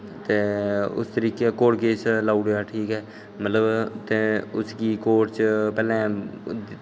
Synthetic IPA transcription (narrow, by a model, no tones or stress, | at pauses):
t̪eːʊ̰st̪əɾiːkeːkoːɽkeːt͡ʃlaːuɽjaːʈʰiːkɦɛː | mət̪ləbt̪eːʊskiːkoːʈt͡ʃpɛːlɛ̃ː